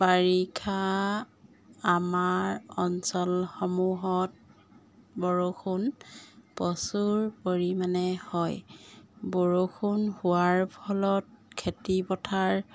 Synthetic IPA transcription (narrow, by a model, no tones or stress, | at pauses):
baɹikʰa | maɹɔnsɔlxɔmuɦɔt̚ | bɔɹokʰunpɔsuɹpoɹimanɛhɔj | bɔɹokʰunhuaɹpʰɔlɔt̚kʰetipɔtʰaɹ